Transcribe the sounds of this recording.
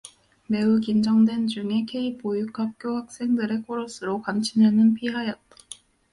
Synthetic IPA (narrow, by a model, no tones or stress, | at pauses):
me̞ukind͡ʑʌŋdwe̞nt͡ɕuŋe̞kʰe̞ipojukʰap̚k͈johak̚s͈e̞ŋdɯɾe̞k͈ʰoɾʌsʰɯɾokwamt͡ɕʰinenɯnpʰiɦajʌt̚t͈ḁ